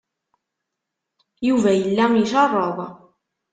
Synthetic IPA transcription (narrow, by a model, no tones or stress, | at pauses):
juvæjəlːæmjiʃɑrˤːəðˤ